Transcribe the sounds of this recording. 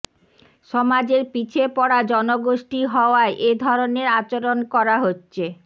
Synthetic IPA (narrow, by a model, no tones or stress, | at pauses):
ʃɔmad͡ʑeɾpit͡ɕʰepɔɽad͡ʑɔnoɡoʃʈiɦɔoaeʔed̪ʱɔɾoneɾat͡ɕaɾonkɔɾaɦotːɕʰe